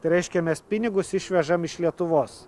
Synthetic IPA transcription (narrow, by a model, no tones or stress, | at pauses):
ɾʲɛɪʃʲkʲɛmʲɛspʲɪnʲɪɡʊsɪʃʲʋʲɛʒɐmɪʃlʲiɛt̪ʊʋoːs